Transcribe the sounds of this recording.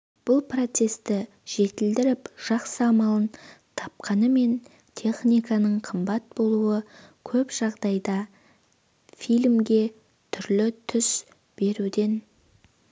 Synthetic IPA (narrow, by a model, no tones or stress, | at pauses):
b̥ʊlˠpro̞t̪se̞st̪ɪ | ʒ̥e̞t̪ɪld̪ɪɾɪpʒ̥ɑqsəɑmɑlˠənt̪ʰɑp̚qɑnəme̞n | t̪ʲʰe̞χnijkɑnəɴqʰəmbɑt̪̚bo̞lˠuəkʲʰɵpʒ̥ɑʁd̪ɑjd̪ɑ | fijlmɡʲe̞ | t̪ʰʏɾlɪt̪ʰʏs | b̥e̞ɾud̪e̞n